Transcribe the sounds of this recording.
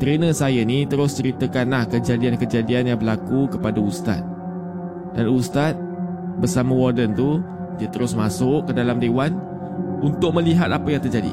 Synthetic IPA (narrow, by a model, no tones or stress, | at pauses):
t̪ɾenəsajənit̪əɾʊst͡ʃəɾit̪əkanlahkəd͡ʒadiankəd͡ʒadianjaŋbəlakukəpadaust̪a̰t̪̚ | danust̪at̪̚ | bərsamə̃wɔrdənt̪u | diət̪əɾʊsmasʊʔkːədalamdewan | unt̪ʊk̚mə̃liɦat̪apəjaŋt̪ərd͡ʒadḭ